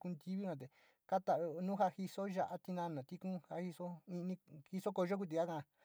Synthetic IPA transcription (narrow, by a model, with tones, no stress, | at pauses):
ku˧nd̪i˧˦βi˦nã˧t̪̬e˨ | ka˦t̪a˧˨o˧nũ˦ɦa˧hi˧so˦ʒa˧ʔa˦t̪i˧nã˧nã˨t̪i˦kũ˦ha˧hi˧so˦ĩ˧nĩ˧hi˧so˦ko˧ʒo˦k̬u˧t̪i˧ka˦kã˧